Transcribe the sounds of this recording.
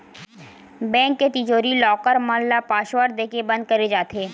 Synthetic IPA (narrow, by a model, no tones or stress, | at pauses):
bɛ̃ːŋkːet̪id͡ʒoːɾilɔːkəɾmɔ̃ːllapaːʃʋəɾd̪eːkebɐ̃nd̪̚kɐɾed͡ʒaːt̪eː